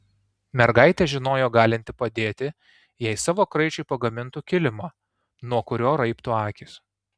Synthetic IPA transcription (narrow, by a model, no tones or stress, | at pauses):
mʲɛɾɡɐɪt̪ʲɛʒʲɪnoːjoːɡɑːlʲɪnʲt̪ʲɪpɐd̪ʲeːt̪ʲɪ | jɛɪsɑːʋoːkɾɐɪt͡ʃʲɛɪpɐɡɐmʲɪnt̪ʊkʲɪlʲɪmɑː | nuɔkʊɾʲoːɾɐɪpt̪ʊɑːkʲɪs